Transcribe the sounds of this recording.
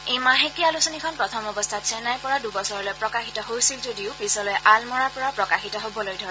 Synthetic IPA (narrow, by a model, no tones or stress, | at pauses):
ejmaɦekialusɔnikʰɔnpɹɔtʰɔmɔbɔstʰatsɛnajpɔɹadubɔsɔɹɔlojpɹɔkaxitɔɦojsilzodiʊpɹisɔlɔjʔalmɔɹapɔɹapɹɔkaxitɔɦobɔlojdʱɔɹɛ